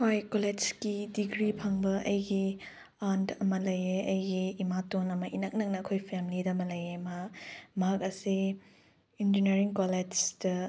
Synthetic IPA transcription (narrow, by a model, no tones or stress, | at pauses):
hojkoled͡ʒkidiɡɾipʰɐŋbɐʔɐjɡi | andʰɐmɐlɐjeɐjɡiːmatonɐmɐʔinɐk̚nɐk̚nɐːkʰojpʰemlidɐmɐlɐjemamɐɦak̚ɐsi | ind͡ʒineɾiŋkoled͡ʒdɐ